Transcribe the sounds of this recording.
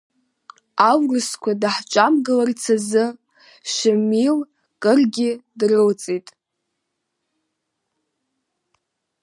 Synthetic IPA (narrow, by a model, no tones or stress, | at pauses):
awrɨskʷʰadaħt͡ʃʷʼamɡalart͡sʰazɨ | ʃɪmil | kʼɨrɡʲɪdrɨwt͡sʼetʼ